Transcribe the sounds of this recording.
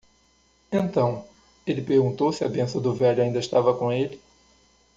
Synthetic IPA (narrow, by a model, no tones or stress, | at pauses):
ẽnt̪ɐ̃w̃ | elɪpeɾɡũnt̪owsɪɐbẽsɐ̃d̪ʊvɛʎʊaĩnd̪ɐɪʃt̪avɐkõelɪ